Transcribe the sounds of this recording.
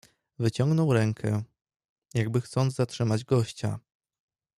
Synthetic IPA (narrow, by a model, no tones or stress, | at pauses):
vɘt͡ɕɔŋɡnɔwɾɛŋkʰɛ | jaɡ̚bɘxt̪sɔnd̪zzatʂɘmad͡ʑɡɔɕt͡ɕa̰